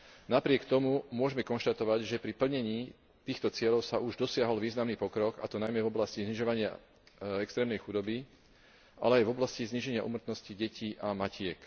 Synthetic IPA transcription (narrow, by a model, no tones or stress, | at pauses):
napɾɪɛkt̪ɔmumʊɔʒɛmɛkɔnʃt̪at̪ɔʋaɟʒɛpɾipl̩ɲɛɲiː | t̪iːxt̪ɔt͡sɪɛʎɔʊsauʒd̪ɔsɪaɦɔlʋiːznamniːpɔkɾɔka̰t̪ɔnajmɛvɔblascizɲiʒɔʋaɲɪa̰ | ɛkst̪ɾɛːmnɛjxud̪ɔbi | ʔa̰lɛajvɔblascizɲiʒɛɲɪaʔṵmr̩t̪nɔsciɟɛciːʔamacɪɛk